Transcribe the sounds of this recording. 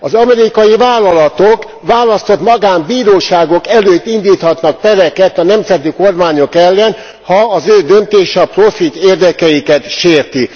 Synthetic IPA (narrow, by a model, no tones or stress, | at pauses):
ɒzɒmɛɾikɒjivaːlːɒlɒt̪ok | ʋaːlɒst̪o̞t̪mɒɡaːmbiːɾoːʃaːɡo̞kɛløːt̪ːind̪iːt̪hɒt̪nɒk̚p̪ɛɾɛkɛt̪ɒnɛmzɛt̪ikormaːɲo̞kɛlːɛn | hɒːzøːd̪ønt̪eːʃɒprofit̪eːrd̪ɛkɛjikɛt̪ʃeːrt̪i